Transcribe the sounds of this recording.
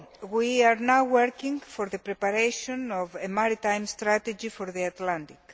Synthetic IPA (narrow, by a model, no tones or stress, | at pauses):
wiaɾnawwəɾkĩŋfoɾðəpɾepaɾeʃõnɔvemaɾit̪ajmst̪ɾat̪ed͡ʒifoɾðiat̪lãnt̪ik